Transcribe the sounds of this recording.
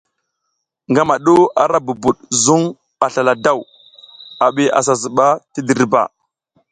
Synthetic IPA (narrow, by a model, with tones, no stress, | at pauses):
ŋɡa˦ma˨ɗu˦a˨ɾa˦bu˨bu˨ɗzu˦ŋ | ɓa˨ɬa˨la˨da˦˨w | a˨ɓi˦a̰˨s̬a˨zi˨ɓa˦ti˦di˨ɾba̰˨